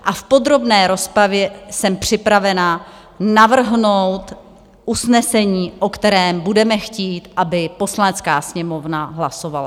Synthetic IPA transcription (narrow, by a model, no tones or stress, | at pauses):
ʔafpo̞d̪ɾo̞bnɛːɾo̞spɾavjɛsɛmpr̝̥ɪpɾavɛna | navr̩ɦnowt̪ | ʔusnɛsɛɲiːʔo̞kt̪ɛɾɛːmbudɛmɛxciːt̪ʔabɪpo̞slanɛt͡skaːsɲɛmo̞vnaɦlaso̞vala̰